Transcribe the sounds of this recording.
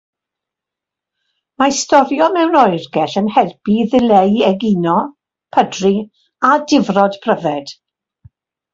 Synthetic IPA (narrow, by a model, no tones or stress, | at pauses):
maistɔɾjɔmɛwnɔɨrɡɛɬənhɛrb̥iðɪlejɛɡinɔ | pʰədri | adɪvrɔd̥pʰr̥əvɛd̥